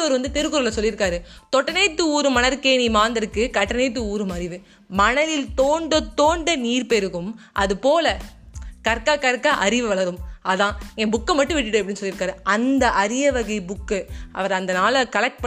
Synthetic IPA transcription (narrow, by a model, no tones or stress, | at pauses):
ɔɾɯʋɐnd̪ɯt̪ɛɾɯkːɯɾɐlːɐsɔlːɪɾɯkːaːɾɯt̪ɔʈːɐnɛːt̪ːɯuːɾɯmɐnɐɾkeːnimaːnd̪ɐɾɯkːɯkɐʈːɐneːt̪ːɯuːɾɯmɐɾɪʋɯ | mɐnɐlɪlt̪oːɳɖɐt̪ːoːɳɖɐniːɾpɛɾɯɣɯm | ʔɐðɯpoːlɐkɐɾkaːkɐɾkːaʔɐɾɪʋɯʋɐɭɐɾɯmʔɐðãːẽbʊkːɐmːɐʈːɯ̃ʋɪʈːɪʈːɯɐpːɐɽinːɯsɔlːɪɾɯkːaːɾɯɐnd̪ɐʔɐɾɪjɐʋɐɣɐɪbʊkːɯʔɐ̰ʋɐɾɐnd̪ɐnaːlɐkɐlɐk̚ʈ̚pɐ